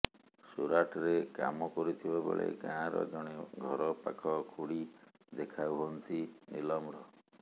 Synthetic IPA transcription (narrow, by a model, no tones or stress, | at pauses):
suɾaʈɔɾeka̰mɔkɔɾut̪ʰibabḛɭḛkãɾɔ̰d͡ʒɔɽ̃eɡʱɔɾɔpakʰɔkʰuɽi | d̪ekʰawɦɔnt̪ʰinilɔmɾɔ